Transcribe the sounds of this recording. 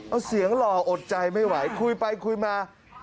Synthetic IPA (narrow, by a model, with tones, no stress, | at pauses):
ʔa˧˩wsi˩˦əŋlɔː˧˩ʔo˨˩t̪̚t͡ɕa˧jma˥˩jwa˩˦jkʰu˧jpa˧jkʰu˧jmaː˧